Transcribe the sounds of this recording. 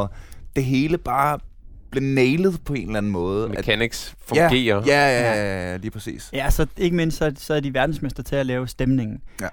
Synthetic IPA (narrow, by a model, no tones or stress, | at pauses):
ɒd̥e̝ɦe̝ːləb̥ɑ̈ː | b̥le̝neɪlð̞̩ˠpʰɒ̽e̝̰ːn̩læn̩mɔ̽ːð̞ˠmææniɡ̥sfæɡe̝̰ːɐjæææliːpʰʁɛsḭːsjæsɒ̽e̝ɡ̥əme̝n̰stsɒ̽sɒɐd̥iʋæɐd̥n̩smesd̥ɐt͡sʰe̝lælɛːʊsd̥emne̝ŋn̩